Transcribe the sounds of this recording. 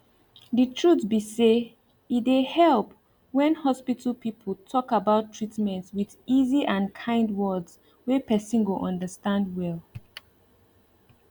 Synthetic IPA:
ðitʰɹutbise | idehɛlˠp | wɛ̃nhɔspitʰəlpipʰəl̩ˠtʰɔkabaʊtʰɹ̥itmɛ̃ntswiðiziʔãnkʰãɪ̃ndwɜdz | wepɛsĩnɡoʔɔ̃ndəstãndwɛlˠ

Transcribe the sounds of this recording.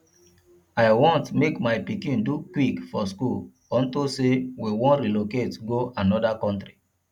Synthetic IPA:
aɪwɔ̃ntmekmaɪpikĩndukwikfɔskul | ɔ̃ntosewiwɔ̃nɾiloketɡoanɔdakɔ̃ntɾi

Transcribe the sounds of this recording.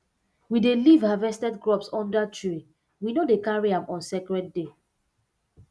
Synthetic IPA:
widelivhavɛstɛdɡɹɔpsɔ̃ndatʰɹi | winodekaɹiãmɔ̃nsɛkɹɛd̚de

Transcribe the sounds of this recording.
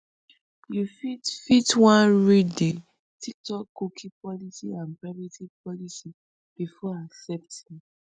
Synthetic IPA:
jufitfitwãnɹide | tʰitɔkokʰipɔlisiãnpɹavitipɔlisi | b̥ifɔaksɛp̚thĩm

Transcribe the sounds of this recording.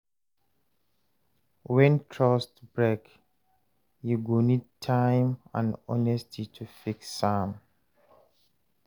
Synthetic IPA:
wɛ̃ntʰɹɔstbɹɛk | juɡonid̚tʰãjmã̰nɔ̰nɛstʰitʰufiksːãm

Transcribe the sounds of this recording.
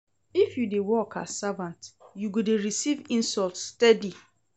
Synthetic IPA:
ifjudewɔkʰa̰savãntjuɡodeɹisivĩnsɔltstɛdi

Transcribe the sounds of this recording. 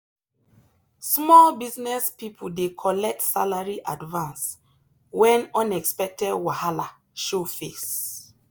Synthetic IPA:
smɔlbiznɛspipʰudekʰɔlɛk̚tsalaɹiʔadvãns | wɛ̃nɔ̃nɛkspɛk̚tɛdwahala | ʃofes

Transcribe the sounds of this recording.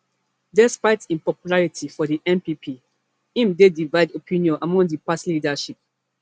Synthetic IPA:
dɛspaɪtĩnpɔpjulaɹitʰifɔdiʔɛ̃mpipʰi | ĩmdedivaɪdopʰĩnjɔ̃nʔamɔ̃ŋdipaslidaʃip̚

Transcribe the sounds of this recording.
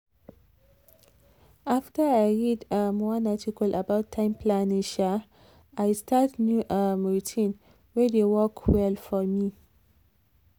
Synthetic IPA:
aftəajɹidəmɔnatʰikəlʔəbaʊtʰːãɪ̃mpʰlaniʃa | ajstʰatnjuʔəmɹitʰĩn | wɛdewɔkʰwɛlfɔmi

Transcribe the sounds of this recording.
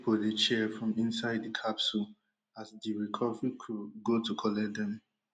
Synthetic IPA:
pʰodet͡ʃɛfɹɔ̃mĩnsaɪddikʰapsul | asdiɹikʰɔvikʰuɡotukʰɔlɛdɛ̃n

